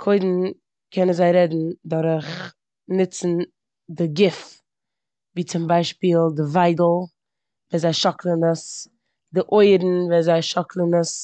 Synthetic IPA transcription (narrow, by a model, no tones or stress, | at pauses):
kʰoɪdn̩ | kʰɛnənzaɪɾɛdn̩dɔɾəχ | nɪt͡sn̩ | dɪɡɪf | viːt͡sɪmbaɪʃpiːlˠdɪvaɪdl̩ˠ | vɛːnzaɪʃɔklˠənəs | dɪʔoɪɾn̩vɛnzaɪʃɔklˠənəs